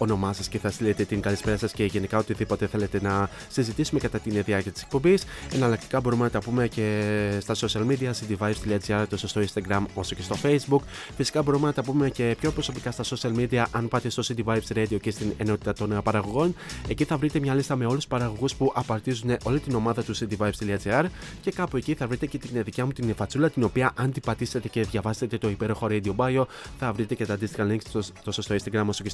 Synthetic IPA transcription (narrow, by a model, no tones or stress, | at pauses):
o̞no̞mɐsɐsceθɐst̪ilet̪e̞t̪iŋɡɐlispe̞ɾɐsɐsce̞ʝe̞nikɐo̞t̪iðipo̞t̪e̞θe̞le̞t̪e̞nɐ | sizit̪isume̞kɐt̪ɐt̪inðiɐɾciɐt̪i̥sek̚po̞mbise̞nɐlɐkt̪i̥kɐbo̞ɾume̞nɐt̪ɐpume̞ce̞st̪ɐso̞siɐlmid̪iɐsit̪ivɐjvst̪iliɐziɐɾt̪o̞sost̪o̞inst̪ɐɡɾɐmo̞so̞ce̞st̪o̞fe̞jzbuk | fisi̥kɐbo̞ɾume̞nɐt̪ɐpume̞ce̞pço̞pɾo̞so̞pikɐst̪ɐso̞siɐlmid̪iɐʔɐnpɐt̪e̞st̪o̞sit̪ivajvsɾed̪io̞ce̞st̪ine̞no̞t̪i̥t̪ɐt̪o̞npɐɾɐɣo̞ɣo̞ne̞ciθɐvɾit̪e̞mɲɐlist̪ɐme̞o̞luspɐɾɐɣo̞ɣuspuʔɐpɐɾt̪izune̞ʔo̞lit̪ino̞mɐðɐt̪usit̪ivɐjvst̪iliɐt͡seɐɾ | ce̞kɐpoe̞ciθɐvɾit̪e̞ce̞t̪inðicɐmut̪infɐt͡sulɐt̪ino̞piɐʔɐnd̪ipɐt̪iset̪e̞ce̞ðʝɐvɐset̪e̞t̪o̞ipe̞ɾo̞xo̞ɾejd̪io̞bɐjo̞ | θɐvɾit̪e̞ce̞t̪ɐnd̪ist̪ixɐliŋkst̪osost̪o̞inst̪ɐɡɾɐmo̞soce